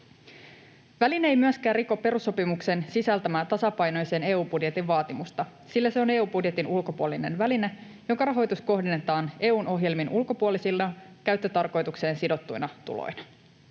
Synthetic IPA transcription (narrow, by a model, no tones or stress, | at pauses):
ʋælineejmyæskæːriko̞pːe̞ɾusːo̞pimukse̞nsisælt̪æmæːt̪ɑsɑpɑjno̞jse̞ːne̞ːuːbudje̞t̪iʋʋɑːt̪imust̪ɑ | silːæse̞o̞ne̞ːuːbudje̞t̪inulko̞puolːine̞̰nʋæline̞ | jo̞ŋkɑɾɑɦo̞jt̪usko̞ɦdenːet̪ɑːne̞ːuːnʔo̞ɦje̞lminulko̞puolisilːɑkæɥt̪ːøt̪ɑrko̞jt̪ukse̞ːnsido̞t̪ːujnɑt̪ṵlo̰jnɑ̥